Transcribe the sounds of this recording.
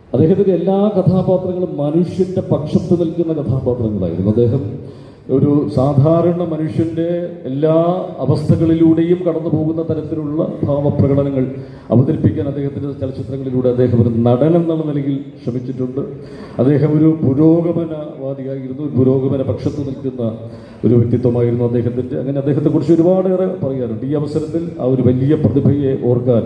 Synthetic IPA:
ɐd̪ːeːɦɐt̪ːiðelːaːkɐt̪ʰaːbaːt̪rɐŋːɐɭumɐnuʂjɐnde̞pɐkʂɐt̪ːɨnilkːunːɐkɐt̪ʰaːbaːt̪rɐŋːɐɭa̰ːjḭɾunːuɐd̪ːe̞ːɦɐm | o̞ɾusaːd̪ʱaːɾɐɳɐmɐnuʂjɐnde̞ːlːaːɐʋɐst̪ʰɐɣɐɭiluːɽe̞jumkɐɽɐnːupo̞ːɣunːɐt̪ɐɾɐt̪ːinuɭːɐ̰t̪ʰaːʋɐprɐɣɐɽɐnɐŋːɐɭ | ɐ̰ʋɐðɐɾipːikʲːaːnɐd̪ːeːhɐt̪ːindet͡ɕɐlɐt͡ɕːit̪rɐŋːɐɭiluːɽeɐd̪ːe̞ːɦɐmoɾunɐɽɐnenːɐlːɐnilɐɣilɕʂrɐmit͡ɕːiʈːuɳɖɨ | ɐd̪ːe̞ːɦɐmo̞ɾupuɾo̞ːɡɐmɐnɐʋaːd̪ijaːjiɾunːuoupuɾo̞ːɡɐmɐnɐpɐkʂɐt̪ːunilkunːɐ | o̞ɾuʋjɐk̚t̪it̪ːwɐmaːjiɾunːuɐd̪ːe̞ːɦɐt̪ːindeɐ̰ŋːɐneɐd̪ːeɦɐt̪ːekːurit͡ɕːo̞ɾubaːɽerepɐrɐjaːnɳɖiːɐʋɐsɐɾɐt̪ːila̰ːo̞ɾuʋɐlijɐprɐðibʱɐje̞ʔo̞ːrkaːn

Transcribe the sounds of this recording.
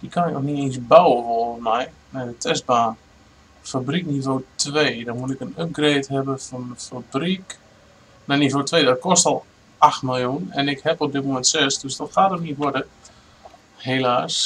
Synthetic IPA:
dikʰanjkoxniensbawəʋɔlˠmɛj | nɛjdətʰɛst̚baːn | fabriknivoːtʋeːdɔmutɪkənøp̚ɡreːtɦɛbəfɔnəfabrik | nɛnivoːtʋeːdɔt̚kʰɔstɔlˠ | axtmɪlˠjunɛnɪkhɛpɔp̚dɪtmomɛntsɛsdøsdɔtxaːtənitʋɔdə | helaːs

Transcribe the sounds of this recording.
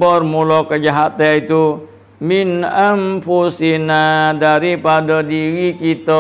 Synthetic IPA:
bɔrmulɔkəd͡ʒaɦat̪ɛit̪u | minəmfusinadaɾipadɔdiwikit̪ɔ

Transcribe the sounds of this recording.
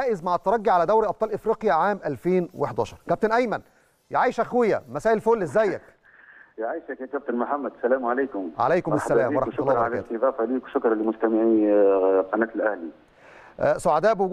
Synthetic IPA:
aːʔɪzmaʕæt̪ːɑɾˤɑɡːiʕalæd̪æwɾiʔɑb̚t̪ˤɑːlʔɪfɾiːqjæʕaːmʔælfeːnweħd̪æːʃɑɾˤkæp̚t̪ɪnʔæjmæn | jʕaːjʃʔæxwɪjːæ̰mæsæːʔɪlfoːlʔɪzzːæjːæk | jʕajʃækjækæb̚t̪ɪnmʊħamːæd̪sælæːmʕaleːkʊmʕa̰læjkʊmɪsːælæːmːwɑɾˤɑlːɾʕalæt̪ːɑɣæːfæliːkwʃʊkɾˤlimʊst̪æmɪʕi | qɑnæːt̪lʔæhli | soʕad̪æːʔbewɡ

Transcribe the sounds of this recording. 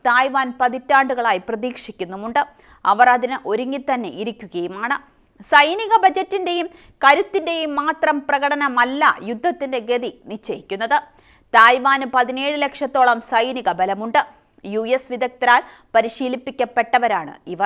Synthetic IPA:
t̪aːjʋaːnpɐðitːaːɳɖuɣɐɭaːjiprɐðiːkʂikʲːunːumuɳɖɨ | ɐʋɐrɐðinɨʔo̞ɾuŋɡit̪ɐnːe̞ʔiɾikʲːuɣɐjumaːɳɨ | sɐjniɣɐbɐd͡ʑɐtːinde̞jum | kɐɾut̪ːinde̞jumːaːt̪rɐmprɐɣɐɽɐnɐmɐlːɐ̰jud̪ʱːɐt̪ːinde̞ɡeðinit͡ɕːɐjikʲːunːɐðɨ | t̪aːjʋaːnpɐðine̞ːɻɨle̞kʂɐt̪ːo̞ːɭɐmsɐjniɣɐbɐlɐmuɳɖɨ | jujesʋid̪ɐk̚t̪ɾaːl | pɐɾiɕiːlipːikʲːɐpːe̞ʈːɐʋɐɾaːɳɨ̰iʋɐ

